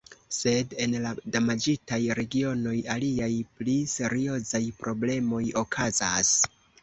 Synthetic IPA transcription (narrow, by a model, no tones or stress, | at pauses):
se̞de̞nladamad͡ʒitajɾe̞ɡio̞no̞jaliajplise̞ɾio̞zajpɾo̞ble̞mo̞jo̞kʰazas